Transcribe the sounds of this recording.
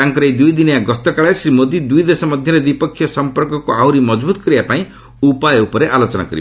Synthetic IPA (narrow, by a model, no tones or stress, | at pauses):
aŋkɔɾejd̪ujd̪inijaɡɔst̪ɔkaɭasɾimod̪id̪ujd̪esɔmɔd̪ʱjɔɾed̪ipɔkʰːjɔsɔmpɔɾkɔkuawɾimɔd͡ʒbut̪ɔ̥kɔɾibapaĩ | upajupɔɾeʔalot͡ʃɔna̰kɔɾḭ